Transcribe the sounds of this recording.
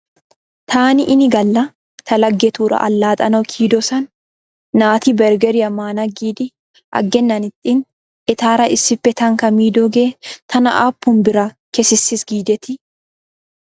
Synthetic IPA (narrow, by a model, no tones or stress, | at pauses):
t̪ʰaːnɪʔɪnɪɡɐlːɐ | t̪ʰɐlɐɡːɛt̪uːᶑɐ̰ʔɐ̰lːaːt̪ʼɐnɐwkʰiːd̪ɔsɐnː | aːt̪ibɛɾɡɛɾɪɐmaːnaɡiːd̪ɪ | ʔɐ̰ɡːɛnːɐnɪt̪ʼːin | ʔɪt̪aːɾɐʔɪsːɪpːɛt̪ɐŋkɐmiːd̪oɡeːt̪ʰɐnɐʔaːpːʊmbɪɾɐ | kɛsɪsːɪsɡiːd̪ɛt̪ɪ